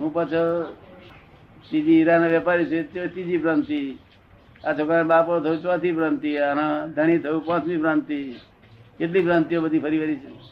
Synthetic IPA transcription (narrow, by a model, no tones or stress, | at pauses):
ɦũpat͡ʃʰɔ | t̪id͡ʒiɾanaʋepaɾit͡ʃʰet͡ʃt̪id͡ʒipɾãnt̪i | at͡ʃʰokãbapot̪ʰəut͡ʃãt̪ʰipɾãnt̪ianad̪ʱəɽ̃it̪ʰəupãt͡ʃmĩpɾãnt̪i | ket̪̬lipɾãnt̪ijobəd̪ʱipʰəɾiʋəɾit͡ʃʰe